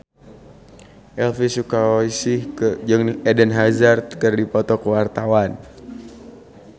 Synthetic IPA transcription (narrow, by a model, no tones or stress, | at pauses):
ʔɛlfisukaisɪhkəd͡ʒɨŋɛdənɦazart̪kərdipɔt̪ɔkəwart̪awan